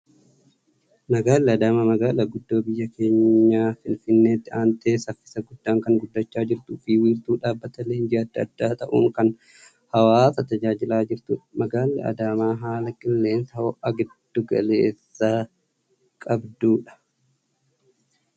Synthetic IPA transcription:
nɐɡaːlːɛɐd̪aːmɐmɐɡaːlɐɡʊd̪ːo̞ːbɪjːɐke̞ːɲːaːfɪnfɪnːe̞ːt̪ːɪaːnt̪e̞ːsɐfːɪ̥sɐɡʊd̪ːaːŋkɐŋɡʊd̪ːɐt͡ʃːaːd͡ʒɪɾt̪ʊfiːwiːɾt̪uːᶑaːbːɐt̪ɐleːnd͡ʒɪɐd̪ːɐd̪ːaːt̪ɐʔṵːŋkɐn | hɐwaːsɐt̪ɐd͡ʒaːd͡ʒɪlaːd͡ʒɪɾt̪ʊᶑmɐɡaːlːɛ̰ɐ̰d̪aːmaːɦaːlɐkʼɪlːe̞ːnsɐhoʔɐɡɪd̪̥ːʊɡɐ̰le̞ːsːaː | kʼɐbd̪uːᶑɐ̥

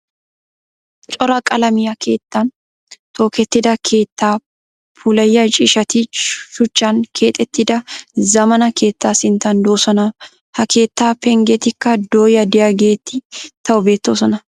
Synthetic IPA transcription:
t͡ʃʼɔɾɐkʼɐlɐmɪjɐkʰe̞̰ːt̪ːan | t̪o̞ːkɛt̪ːɪd̪ɐkʰe̞ːt̪ːaː | pʰuːlɐjːɐt͡ʃʼɪʃɐt̪iʃʊt͡ʃːaːŋkʰe̞ːt̪ʼːɛt̪ːɪd̪ɐzɐmɐnɐkʰe̞ːt̪ːaːsɪnt̪ɐnd̪o̞ːsɔnɐ | hɐkʰe̞ːt̪ːaːpɛŋɡɛt̪ɪkːɐd̪oːjɐd̪ɪjɐɡeːt̪ːɪt̪ɐʔʊbe̞ːt̪ːoːsɔnɐ

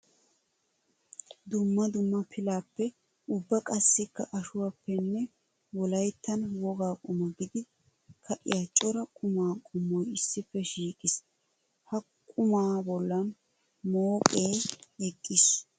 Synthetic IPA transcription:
d̪ʊmːɐd̪ʊmːɐpʰɪlaːpːɛ | ʊbːɐkʼɐsːɪkːɐʔɐʃʊwapːɛnːɛ | wɔlɐjt̪ːɐnwɔɡaːkʼʊmɐɡɪd̪ɪ | kʰɐʔɪ̰jɐt͡ʃʼːɔɾɐkʼʊmaːkʼʊmːɔjɪsːɪfːɛʃiːkʼɪs | hɐ | kʼʊmaːbɔlːɐn | moːkʼeːɛkʼːɪs

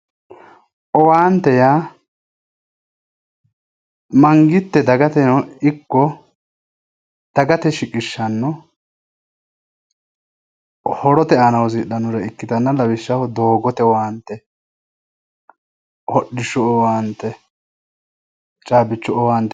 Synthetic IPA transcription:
ʔɔwaːnt̪ɛjaː | mɐŋɡɪt̪ːɛd̪ɐɡɐt̪ɛnɔɪkːɔ | d̪̥ɐɡɐt̪ɛʃɪkʼɪʃːɐnːɔ | hɔɾɔt̪ɛanɐwziɗɐnʊɾɛɪkːɪt̪ɐnːɐlɐwɪʃːɐhɔd̪oːɡɔt̪ɛwaːnt̪ːɛ | hɔɗːɪʃɔɔwaːnt̪ɛ | t͡ʃʼaːbɪt͡ʃːɔɔwaːnt̪ːɛ

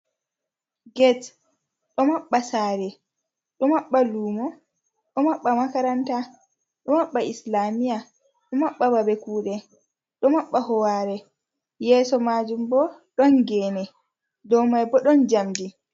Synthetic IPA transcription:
ɡɛt | ɗɔmaɓːasaːɾɛ | ɗɔmaɓːaluːmɔ | ɗɔmaɓːamakaɾanta | ɗɔmaɓːaislamija | ɗɔmaɓːababɛkuːɗɛ | ɗɔmaɓːahɔwaːɾɛ | jɛːsɔmaːd͡ʒumbɔɗɔnɡɛnɛ | dɔmajbɔɗɔnd͡ʒamdi

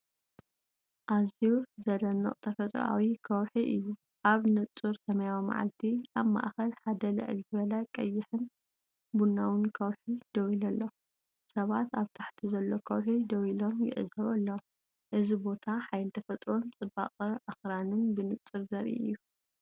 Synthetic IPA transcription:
ʔazuzɐlɐnːɐ̰qʼt̪ʰɐfɐt̪ʼɾ̰a̰wikʰɐwħiʔɨjːu | ʔaβnɨt͡sʼːɨɾsɐmɐjawima̰ʕa̰lt̪ʰiʔaβma̰ʔxɐlħad̪ɐlɨ̰ʕɨ̰lzɨβɐlɐkʼɐjːɪħɨn | bunːawɨnkʰɐwħid̪ɐwilɐlːo̞ | sɐβat̪aβt̪ʰaħt̪ʰizɐlːo̞kʰɐwħid̪ɐwilo̞mjɪ̰ʕɨzɐβɐlːo | ʔɨzibo̞t̪ʰaħajlt̪ʰɐfɐt̪ʼɾo̞mt͡sʼɨba̰qʼɐʔaxɾanɨnbɨnɨt͡sʼɨɾzɐɾḭʔɨ̰jːu

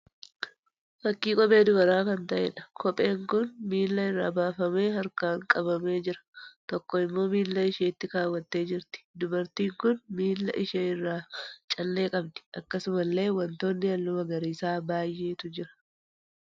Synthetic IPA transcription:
fɐkːiːkʼɔpʼe̞ːd̪ʊɡɐɾaːkɐnt̪ɐʔḛᶑɐ̥kʰɔpʼe̞ːŋkʊnmiːlːɐɪrːa̰ːbaːfɐme̞ːhɐɾkaːŋkʼɐbɐme̞ːd͡ʒɪɾɐ̥t̪ɔkːɔɪmːo̞ːmiːlːɐɪʃeːt̪ːɪkaːwːɐt̪ːe̞ːd͡ʒɪɾt̪ɪ̥d̪ʊbɐɾt̪iːŋkʊnmiːlːɐ̰ʔɪʃeːɪrːaːt͡ʃʼɐlːe̞ːkʼɐb̚d̪ɪ̥ʔɐkːɐsʊmɐlːe̞ːwɐnt̪o̞ːnːɪɐlːʊmɐɡɐɾiːsaːbaːjʔe̞ːt̪ʊd͡ʒɪɾɐ̥

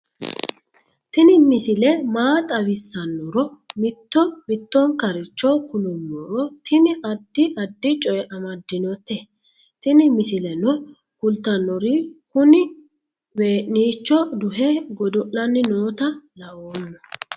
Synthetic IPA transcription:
t̪ɪnɪmɪsɪlɛmaːt̪ʼɐwɪsːɐnːɔɾɔmɪt̪ːɔmɪt̪ːɔŋkɐɾɪt͡ʃːɔkʊnʊmːɔɾɔt̪ɪnɪʔɐd̪ːɪʔɐd̪ːɪt͡ʃʼɔjɛʔɐmɐd̪ːɪnɔt̪ːɛ | t̪ɪnɪmɪsɪlɛnɔ | kʊlt̪ːɐnːɔɾɪkʊnɪ | we̞ːʔniːt͡ʃːɔd̪ʊɦɛɡɔd̪ɔʔːɐnːɪnoːt̪ɐlɐʔoːmːɔ

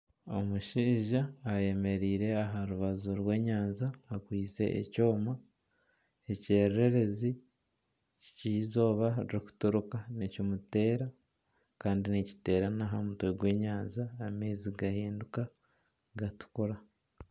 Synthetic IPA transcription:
o̞muʃiːʒaːje̞me̞ɾiːɾe̞aɦaɾuβazuɾwe̞ːɲaːnzaːkwiːt͡se̞̰ʔḛco̞ːma | eceːɾɾe̞ɾe̞zi | ci̥cizo̞ːβaɾiɾiku̥tuɾukanicumute̞ːɾa | kaːndinici̥te̞ːɾanaɦamutweɡwe̞ːɲaːnzaːmeːziɡahiːnduka | ɡatu̥kuɾa

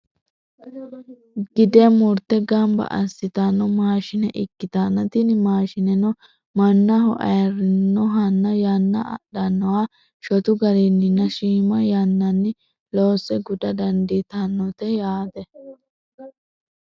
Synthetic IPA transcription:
ɡ̥ɪd̪ɛjɐmʊɾt̪ːɛɡɐmbɐ̰ʔɐsːɪt̪anːɔmaːʃɪnɛʔɪkːɪt̪aːnːɐt̪inɪmaːʃɪnɛnɔ | mɐnːɐɦɔ̰ʔɐ̰jɐrɪnnːɔɦɐnːɐjɐnːɐ̰ɐ̰ɗɐnːɔwa | ʃɔt̪ʊɡɐɾinːɪnːɐʃiːmɐjɐnːɐnːɪ | loːsɛɡʊd̪ɐd̪ɐnd̪it̪anːɔt̪ɛjaːd̪ɛ

